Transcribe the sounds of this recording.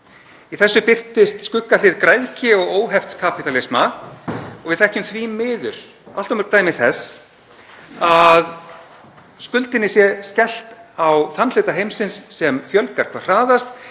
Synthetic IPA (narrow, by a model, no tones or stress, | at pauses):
iθɛsːʏpɪr̥t̪ɪst̪skʏkːalɪðkɾajðcɪɔɣoːwɦɛft̪skʰapit̪alɪsma | ɔɣvɪðθɛhcʏmθvimɪːðʏɾ̥ | al̥t̪ɔwmʏɾt̪aːjmɪθɛs | að | skʏlt̪ɪnːɪsjɛscɛl̥t̪awθanlʏːt̪aɦejmsɪnsːɛmfjœlkaɾ̥kʰvḁr̥aːðast̪